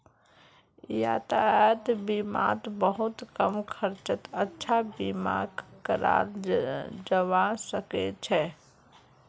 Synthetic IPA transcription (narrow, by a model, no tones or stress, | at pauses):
jaːt̪aət̪bima̰ːt̪bəɦʊt̪kəmkʰəɾt͡ʃət̪ətːʃʰabɪma̰ːɡkəɾa̰ːɾ | d͡ʒəwasəket͡ʃʰɛ